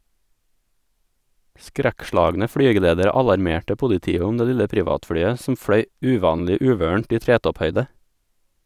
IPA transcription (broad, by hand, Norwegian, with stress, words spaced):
ˈskɾækˌʃlɑːɡnə ˈfɽyːɡəleːdəɾə ˈɑlɑɾˌmeːʈə ˈpʊlɪˌtiːə ˈʊm ˈdeː ˈlɪlə ˈpɾɪʋɑːtˌfɽyːə sm̩ ˈfɽœʏ ˈʉːˌʋɑːnlɪ ˈʉːʋøːɳ̩ʈ ˈiː ˈtɾeːtɔpˌhœʏdə